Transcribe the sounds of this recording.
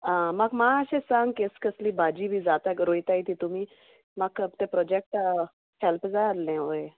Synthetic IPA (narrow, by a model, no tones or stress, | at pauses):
ãməɡmaəɕẽsãŋɡkeskəsliːbad͡ʑiːbʱiːd͡zat̪akɾojt̪ait̪it̪umiː | makt̪epɾɔd͡ʑek̚ʈ | helpd͡zaɾlẽɦoe